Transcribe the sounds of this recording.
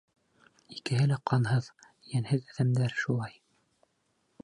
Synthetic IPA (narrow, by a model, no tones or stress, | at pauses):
ikɘ̆ɦɘlæqɑnhɤð | jænhɘðæðæmd̪æɾʃulˠɑj